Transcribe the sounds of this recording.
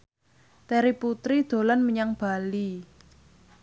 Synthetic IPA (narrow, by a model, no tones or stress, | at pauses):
t̪ɛɾiput̪ɾid̪̥o̤lanməɲaŋb̥ali